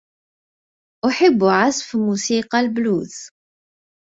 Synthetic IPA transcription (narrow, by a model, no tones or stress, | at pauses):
ʔʊħəbːʕasfmusiqɑlbluːθ